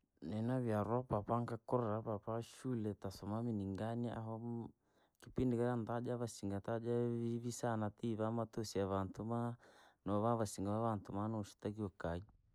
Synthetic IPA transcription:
nɛnaβjaɾwapapaŋkakɔɾɾapapaʃulɛtasɔmaminiŋɡania̰ɦɔ | kipindikaɾant̪ad͡ʒaβasiŋɡat̪ad͡ʒaiβisanat̪iβamat̪ɔsiaβantumanɔβaβasiŋɡaβaβant̪umanɔʃu̥t̪akiɔkai

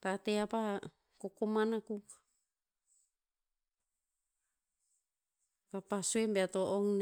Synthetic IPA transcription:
t̪at̪eapa | kokomanakuk | papasuembeat̪oʔoŋn

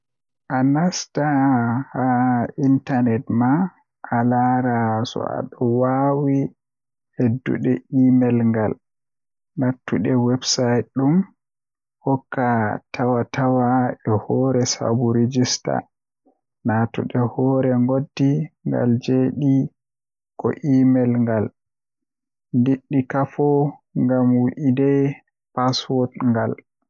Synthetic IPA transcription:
ʔanastahaintanɛtma | ʔalaːɾasɔ̰a̰ɗɔwawi | hedːṵɗɛʔimɛlŋɡal | natːuɗɛwɛbsajtɗum | hɔkːatʰawatʰawaɛhɔːɾɛsa̰buɾed͡ʒista̰ | natṵɗɛhɔːɾɛŋɡodːiŋɡa̰ld͡ʒeɗi | kɔ̰ʔiːmɛlŋɡal | ndiɗːikafɔŋɡamwiʔidɛ | paswɔtŋɡal

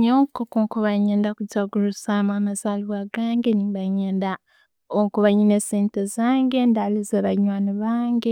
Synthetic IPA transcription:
ɲoːkokuŋkuβaɲeːndakutaɡulusamamazaːliβaɡaːŋɡeniβaɲeːnda | okuβaɲineseːntezaːŋɡe̞ndalizeβaɲwaːnoβaːŋɡe

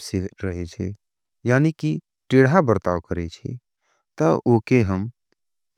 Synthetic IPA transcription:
siɾəɦet͡ʃʰɛ̰ | jaːniki | ʈɪːɽabəɾt̪aːʋkəɾet͡ʃʰḭ | t̪əoːkeɦəm

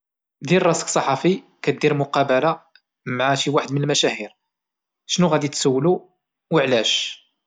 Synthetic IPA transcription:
d̪iɾrˤɑsksˤɑħɑfi | kæt̪̚d̪iɾmʊqɑbəla | mʕaʃiwaħəd̪mənəlmæʃæhiɾ | ʃnuɣæd̪it̪səwːlu | wəʕlæʃ

